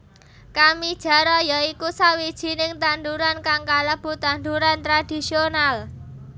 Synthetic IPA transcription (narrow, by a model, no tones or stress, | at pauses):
kamid̥ʒ̥ä̤ɾɔjaikusawid̥ʒ̥i̤nɪŋt̪and̪uɾankaŋkaləb̥ṳt̪and̪uɾant̪ɾad̥i̤sional